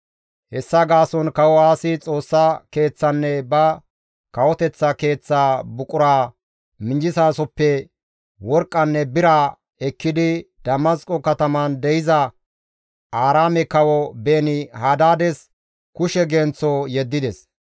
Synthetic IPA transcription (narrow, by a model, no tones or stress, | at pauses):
hɛsːɐɡaːsɔnkɐwɔaːsɪt͡sʼo̞ːsːɐke̞ːt͡sːɐnːɛbɐ | kɐwɔt̪ɛt͡sːɐke̞ːt͡sːaːbʊkʼʊɾaː | mɪnd͡ʒɪsaːsɔpːɛ | wɔɾkʼːɐnːɛbɪɾa | ɛkːɪd̪ɪd̪̥ɐmɐskʼɔkɐt̪ɐmɐnd̪ɛjɪzɐ | aːɾaːmɛkɐwɔbeːnɪhaːd̪aːd̪ɛs | kʊʃɛɡɛnt͡sːɔjɛd̪ːɪd̪ɛs